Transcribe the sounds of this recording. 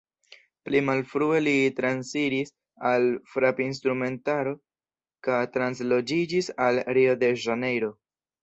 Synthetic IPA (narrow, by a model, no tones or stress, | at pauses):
plimalfɾue̞litɾansiɾis | alfɾapins̬tɾume̞ntaɾo̞ | kajtɾans̬lo̞d͡ʒid͡ʒisalɾio̞de̞ʒane̞jɾo̞